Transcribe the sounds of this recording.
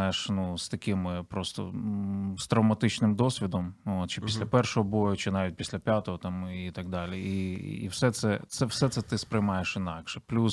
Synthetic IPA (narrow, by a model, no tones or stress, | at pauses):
jeʂnust̪ɐkɪmɪpɾost̪ɔ̰st̪ɾɐwmɐt̪ɪt͡ʃnɪmd̪ɔsʲʋʲid̪ɔmot̪t͡ʃɪpʲisʲlʲɐpɛrʃɔɦɔbojʊt͡ʃɪnɑʋʲit̚ʲpʲi̥sʲlʲɐpʲjat̪ɔɦɔt̪ɑmit̪ɐɡ̚d̪ɑlʲiiḭwsɛt̪sɛt̪sɛwsɛt̪sɛt̪ɪspɾɪjmɑjeʃɪnɑkʃɛplʲus